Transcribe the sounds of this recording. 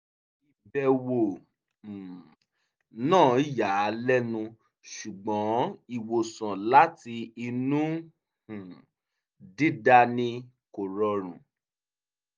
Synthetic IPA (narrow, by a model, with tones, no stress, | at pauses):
i˨bɛ˨wõ˨ | nãː˦˨i˦˨ja˨˦lɛ˦nũ˧ | ʃu˨ɡ͡bɔ̃˨˦i˨wo˨sã˨la˦ti˧i˧nũ˦ | ũ˨ | di˦da˧nĩ˧ | ko˨ɾɔ˧ɾ̃ṵ̃˨